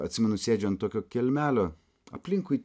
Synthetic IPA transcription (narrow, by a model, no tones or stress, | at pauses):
ɐ̰t̪ʲsʲɪmʲɛnʊsʲeːd͡ʒʲoːnt̪ːoːkʲoːkʲɛlʲmʲæːlʲoː | ɐ̰pʲlʲɪŋkui